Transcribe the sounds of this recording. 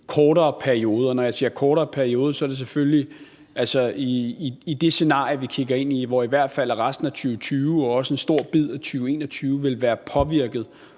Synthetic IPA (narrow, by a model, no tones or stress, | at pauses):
kʰɒːɾɐːpʰæɐio̝ːð̞ˠɐɒnɒ̽jɑ̈ɪse̝̰ːɐkʰɒːɾɐːpʰæɐio̝ːð̞ˠəsɒ̽æɐd̥e̝s̬efølli | ælsɒiːd̥e̝se̝nɑ̰̈ːʁiʋikʰiɡ̥ɐe̝n̰iʋɒiʋæɐ̰d̥fæl̰æʁasd̥n̩æt͡sʰyːʊt͡sʰyːʊɒɒ̽səe̝nsd̥o̝ɐ̰b̥ið̰ˠæt͡sʰyːʊe̝̰ːnɒt͡sʰyːʊʋe̝lʋæːɐpʰɒ̽ʋiɐ̰ɡ̥ð̞̩ˠ